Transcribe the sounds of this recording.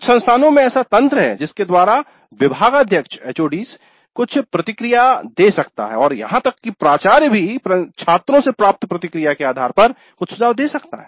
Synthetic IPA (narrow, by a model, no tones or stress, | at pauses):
t͡ʃsɐ̃nst̪ʰaːnõmẽɛːsat̪ɐ̃nt̪ɾəɦɛ̰ːd͡ʒɪsked̪waːɾa | ʋɪbʱaːɡad̪ʱjəkʃeːt͡ʃoːɖiːs | kʊt͡ʃʰpɾɐt̪ɪkɾijad̪eːsɐkt̪a̰ɦɛ̰ɔːɾjɐ̰ɦãt̪ɐkːipɾaːt͡ʃaːɾbʱipɾɐt͡ʃʰaːt̪ɾõsepɾaːp̚t̪pɾɐt̪ɪkɾijakeaːd̪ʱaːɾpɐɾ | kʊt͡ʃʰsʊd͡ʒaːʋd̪eːsɐkt̪a̰ɦɛː